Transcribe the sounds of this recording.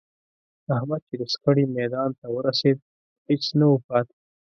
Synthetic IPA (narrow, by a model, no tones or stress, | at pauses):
ahmad̪̚t͡ʃed̪əskəɽimɛd̪ɑnt̪awəɾased̪̚ | het͡snawupɑt̪